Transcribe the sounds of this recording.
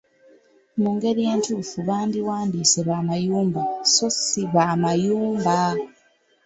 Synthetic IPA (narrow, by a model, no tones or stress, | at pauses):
muːŋɡe̞ɾije̞ːntufuβaːndiwaːndiːseβaːmajuːmbaso̞siβamajuːmba